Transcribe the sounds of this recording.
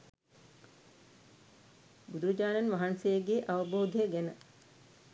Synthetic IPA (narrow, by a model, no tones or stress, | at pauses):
bud̪uɾud͡ʒaːnanʋaɦansejəɡeːʔaʋəboːd̪ʱejəɡænə